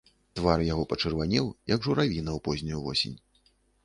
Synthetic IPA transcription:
t̪varjaɣɔpɐt͡ʂɨrvanʲɛwjɐɡʐuɾavʲinɐwpɔzʲnʲujuvɔ̰sʲḛnʲ

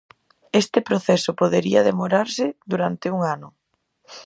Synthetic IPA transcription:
est̪ɪpɾoθɛsʊpoðeɾiɐðemoɾaɾsɪðuɾant̪ɪuŋanʊ

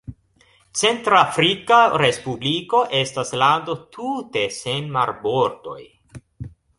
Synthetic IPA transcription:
t͡se̞ntɾafɾikaɾe̞spubliko̞ʔe̞staslandotʰute̞se̞nmaɾbo̞ɾdo̞̰j

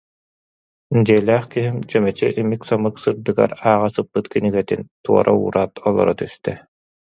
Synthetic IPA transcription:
d͡ʑiɛlæːχkiɦimt͡ɕœmɛt͡ɕḭʔimiksɔmɯksɯɾd̪ɯɡa̰ɾaːʁasɯpːɯt̪kiniɡɛt̪int̪uɔ̰ɾʔa̰ṵːɾʔaːt̪ʰɔlˠɔ̰ɾɔt̪yst̪ɛ

